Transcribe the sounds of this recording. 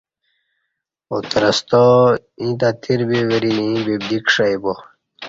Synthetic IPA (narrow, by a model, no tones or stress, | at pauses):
ot̪ɾɐst̪o | ĩd̪at̪ʰiɾbeweɾinĩbebd̪ikʂajbo